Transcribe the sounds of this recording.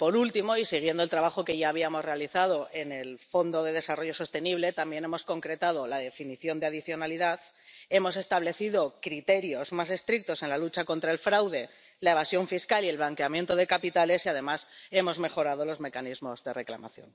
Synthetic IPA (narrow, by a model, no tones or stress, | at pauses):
po̞ɾult̪imo̞isiɣ̞je̞nd̪olt̪ɾaβaxo̞ke̞ʝaːβ̞iamo̞zre̞aliθað̞o̞ʔe̞ne̞lfo̞nd̪o̞ðe̞ðe̞saro̞ʝo̞so̞st̪e̞niβle̞t̪ambje̞ne̞mo̞sko̞ŋkɾe̞t̪aðo̞laðe̞finiθjo̞nd̪eaðiθjo̞naliðaθ | e̞mo̞se̞st̪aβle̞θiðo̞kɾit̪e̞ɾjo̞zmase̞st̪ɾik̚t̪o̞se̞nlalut͡ʃako̞nt̪ɾae̞lfɾawðe̞ | lae̞βasjo̞ɱfiskalie̞lβlaŋkeamje̞nt̪o̞ð̞e̞kapit̪ale̞siaðe̞mase̞mo̞zme̞xo̞ɾað̞o̞lo̞zme̞kanizmo̞zðe̞re̞kla̰ma̰θjo̞̰n